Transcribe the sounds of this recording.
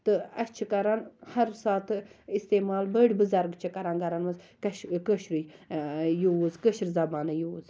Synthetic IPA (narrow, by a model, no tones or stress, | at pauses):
t̪ɨɐst͡ʃʰikɐɾanhɐɾsaːt̪ʰist̪eːmaːlbəɽʲbɨzaɾɡt͡ʃʰɐkɐɾanɡɐɾanmɐzkkəʃɾɨ | juːzkəʃɾzɐbaːnɐjuːz